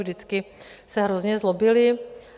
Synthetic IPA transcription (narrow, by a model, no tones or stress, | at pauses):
ʒdɪt͡skɪ | sɛɦɾozɲɛzlobɪlɪ